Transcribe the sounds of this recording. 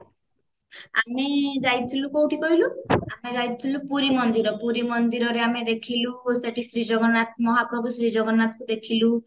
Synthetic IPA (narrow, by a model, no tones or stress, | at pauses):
amid͡ʒajt̪ʰilukowʈʰikɔɦiluamed͡ʒajt̪ʰilupuɾimɔnd̪iɾɔpuɾimɔnd̪iɾɔɾeamed̪ekʰiluseʈʰisɾid͡ʒɔɡɔnat̪̚mɔɦapɾɔbusɾid͡ʒɔɡɔnat̪kud̪ekʰilu